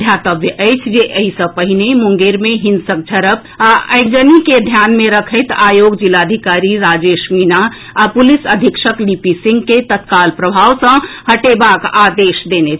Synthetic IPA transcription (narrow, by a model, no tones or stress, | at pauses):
d̪ʱjat̪əbjəʔəjt͡ʃʰd͡ʒeʔəɦisə̃pəɦinemuŋɡeɾmeɦinsək̚d͡ʒʱəɾəp | aə̰jk̚d͡ʒəniked̪ʱjanmeɾəkʰəɪt̪ajoɡd͡ʒilad̪ʱikaɾiɾad͡ʒeʃmina | apulisəd̪ʱikʃəklipisĩŋɡket̪ət̪kalpɾəbʱawsə̃həʈebakad̪eʃd̪enet͡ʃʰ